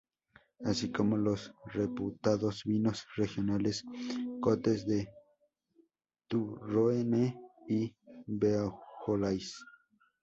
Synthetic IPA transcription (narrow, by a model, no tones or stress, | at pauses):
asikomolosreput̪aðosbinosrexjonaleskot̪esd̪e | t̪uroeneibeaxolajs